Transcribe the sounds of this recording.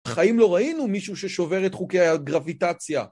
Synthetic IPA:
χaimlo̞ʁainumiʃuʃeʃo̞veʁetχukejaɡʁavitat͡sja

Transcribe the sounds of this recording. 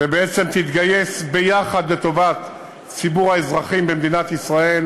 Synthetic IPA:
vebeet͡se̞mt̪it̪ɡaje̞sbejaχad̪let̪o̞vat̪ | t͡sibuʁhaezʁaχimbemd̪inat̪isʁae̞l

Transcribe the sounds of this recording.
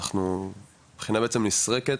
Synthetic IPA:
aχnu | b̥χinabeet͡semnisʁeket

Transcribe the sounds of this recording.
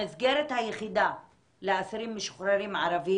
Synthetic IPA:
ɪzɡeɾet̪hajeχid̪a | leasaɾimːiʃo̥χɾaɾimʕaɾavi

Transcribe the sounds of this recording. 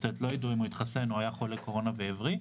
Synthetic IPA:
tɛt̪lo̞jid̪uimoit̪χasenuajaχolːeko̞ʁo̞naveːvʁi

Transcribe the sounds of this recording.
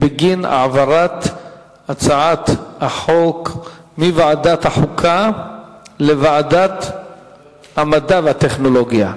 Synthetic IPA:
beɡina̰ʕvaɾat̪ | at͡saʕat̪aħok | mivaʕadat̪haħukʰa | levaʕadat̪ | hamadaveat̪eχno̞loɡja

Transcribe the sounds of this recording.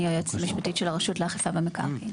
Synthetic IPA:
jojotmiʃpatitʃelaʁaʃutleaχefabemeka̰ʁi

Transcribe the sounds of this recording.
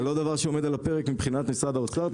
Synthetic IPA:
lo̞d̪avaʁʃeo̞med̪alape̞ʁekmibχinat̪nisʁad̪aot͡saʁ

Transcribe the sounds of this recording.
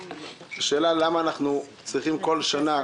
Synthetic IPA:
z̥eʃe̞ːlalamaːnaχnu | t͡sʁiχimko̞lʃana

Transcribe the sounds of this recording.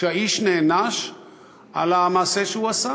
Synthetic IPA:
ɐiʃnenaʃ | ɐ̰lamaseʃuwɐsa

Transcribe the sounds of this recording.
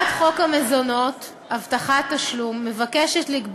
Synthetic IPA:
tχo̞kame̞zo̞no̞t | avtaχatːaʃlumːe̞vakeʃetlikb

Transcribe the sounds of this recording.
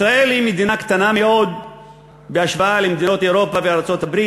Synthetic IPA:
ɾaʔelimid̪inakt̪anameod̪ | beaʃbaalemd̪inot̪eɾopaviaɾˤt͡sot̪abɾiː

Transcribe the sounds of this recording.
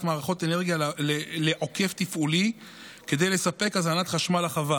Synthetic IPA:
tmaːʁaχo̞t̪e̞ne̞ʁɡijalleleʔo̞ke̞ft̪ifʔuli | ke̞d̪e̞jle̞sape̞kazanat̪χaʃmalaχava

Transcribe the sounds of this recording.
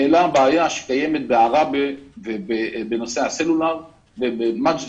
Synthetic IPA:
elabaːjaʃe̥kajemet̪̚beaʁabevebebeno̞seaselulaʁ | vebemat͡ʃ

